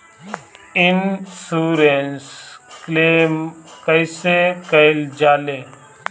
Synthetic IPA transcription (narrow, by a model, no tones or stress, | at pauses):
ɪnsuːɾensklemkəɪsekəɪld͡ʒaːleː